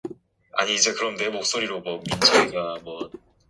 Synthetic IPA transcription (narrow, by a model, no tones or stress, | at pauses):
a̰ɲiːd͡ʑe̞kɯɾʌmne̞mok̚s͈oɾiɾomwʌmind͡ʑʰaiɡamwʌ